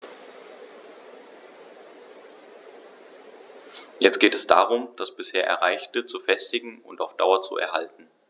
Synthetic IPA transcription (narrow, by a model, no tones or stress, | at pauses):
jɛt͡st̚ɡ̥eːtɛsd̥a̰ːʁ̞ʊmd̥asb̥ɪsheːɐʔɛ̰ɐʁaɪçtət͡sufɛstɪɡŋ̩ʊ̰ntaʊfd̥aʊɐt͡sṵʔɛ̰ɐhaltn̩